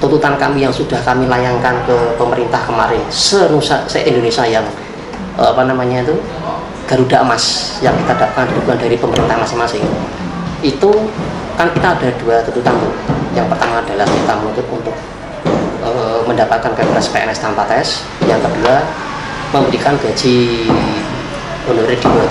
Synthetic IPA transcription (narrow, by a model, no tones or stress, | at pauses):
t̪unt̪ut̪ankamijaŋsud̥ahkamilajaŋkankəpəməɾint̪ahkəmaɾɪnsənusa̰səʔindonesiajaŋ | əapanamaɲait̪u | ɡ̥aɾudaʔəmasjaŋkit̪adap̚kandilukuandaɾipəməɾint̪ahmasɪŋmasɪŋ | it̪u | kankit̪aːdaduat̪unt̪ut̪ant̪ujaŋpərt̪amaːdalahkit̪amənut̪ʊt̪̚unt̪ʊk̚ | əməndapat̪̚kanpeɛnɛspeɛ̰nɛst̪ampat̪ɛɛs | jaŋkədua | məmbəɾikanɡ̥a̤d͡ʒi | onoɾad̥io